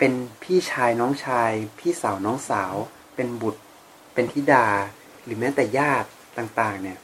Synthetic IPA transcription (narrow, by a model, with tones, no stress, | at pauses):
pe˧npʰiː˥˩t͡ɕʰaː˧jnɔː˦˥ŋt͡ɕʰaː˧jpʰiː˥˩sa˩˦wnɔː˦˥ŋsaː˩˦w | pe˧nbu˨˩t̪̚ | pe˧nt̪ʰiː˥˩daː˧˩ | ɾɯː˩˦mɛː˦˥t̪ɛː˨˩jaː˥˩t̪̚ːaː˨˩ŋt̪aː˨˩ŋni˧˩ɐ